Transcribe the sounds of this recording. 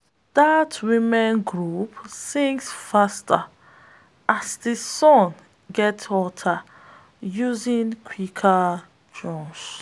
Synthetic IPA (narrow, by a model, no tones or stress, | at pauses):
ð̥atwimɛ̃nɡɹupsĩŋksfastʰə | ʔasdisɔ̃n | ɡɛtɔtʰa | juzĩnkʰwikʰa | d͡ʒɔ̃ns